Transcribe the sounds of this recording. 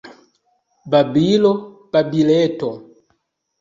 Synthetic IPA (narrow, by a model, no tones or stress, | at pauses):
babilɔ | pabilɛtɔ